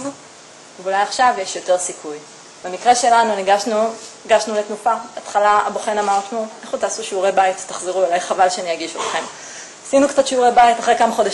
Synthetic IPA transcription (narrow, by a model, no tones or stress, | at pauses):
veulajaχʃavjeʃjo̞t̪e̞ʁsikʰuj | bemikʁe̞ʃe̞lanuniɡaʃnuiɡaʃnulet̪mufabat̪χalaaboχenamaʁt̪nuʔeχut̪aːsuʃeuʁejbait̪ːḁχziʁuulajχavalʃeanijaɡiʃot̪χe̞m | asinukt͡sat̪ʃiuʁejbajitaχʁekamaχo̞da